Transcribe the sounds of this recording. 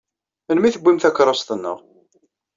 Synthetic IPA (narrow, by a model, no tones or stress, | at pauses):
ənmiθəbʷːimθækːɾˤost̪ənːə̰ʁ